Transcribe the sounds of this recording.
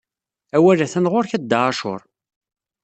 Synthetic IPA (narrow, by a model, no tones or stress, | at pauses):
æwælæθænʁoɾçæd̪ːaʕʃʊ̰ɾˤ